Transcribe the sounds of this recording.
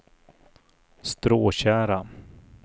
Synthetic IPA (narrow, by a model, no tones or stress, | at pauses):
st̪ɾoːɕæːɾa